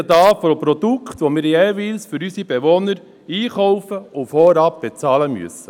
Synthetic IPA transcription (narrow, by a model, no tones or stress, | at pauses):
əd̪ɑːfɔpɾɔd̥̪ukʰχt̪ʋomɪːɾjeːʋiːlsfʏɾysib̥eʋɔnəɾ | iːχɔwfəʊfɔɾɑp̚b̥et͡sɑːləmy̰əsə̥